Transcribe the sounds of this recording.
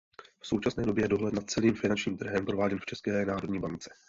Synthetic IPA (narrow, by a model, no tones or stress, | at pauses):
fsowt͡ʃasnɛːdobjɛjɛdo̞ɦlɛtnat̪̚t͡sɛliːmfɪnant͡ʃɲiːmt̪r̩ɦɛmpɾovaːɟɛnft͡ʃɛskɛːnaːɾodɲiːbant͡sɛ̥